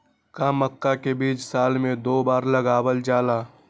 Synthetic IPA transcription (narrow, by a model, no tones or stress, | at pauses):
kaːməkːakebiːt͡ʃsaːlmẽd̪oːbaːɾlɐɡaːbəld͡ʒaːlaː